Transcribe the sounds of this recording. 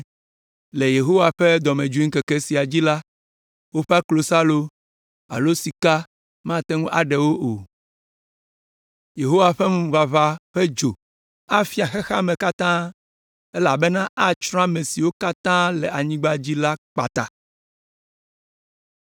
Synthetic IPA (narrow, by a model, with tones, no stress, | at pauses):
le˨je˨ɦo˦wa˨ɸe˦d̪ɔ˨mẽ˨d͡ʒu˦i˦ŋ̩˦ke˨kɛ˦si˨a˨d͡ʑi˦la˦ | wo˦ɸɛ˦a˦klo˨sa˦lo˦ | a̰˨lo˦si˨ka˦ | mã˦t̪ɛ˦ŋũ˦ʔa˨ɖɛ˨wo˦ʔo˨ | je˨ɦo˦wa˨ɸɛ˦mũ˦va˨va˦ɸɛ˦d͡ʒo˨ | a˦fi˦a˨xɛ˦xa˦mẽ˨ka˦t̪ã˦ | ɛ˦la˨bɛ˦nã˦ʔa˦t͡ʃɾɔ̃˦a˦mẽ˨si˨wo˦ka˦t̪ã˦lɛ˨a˨ɲĩ˦ɡ͡ba˦d͡ʑi˦la˦k͡pa̰˨t̪a̰˨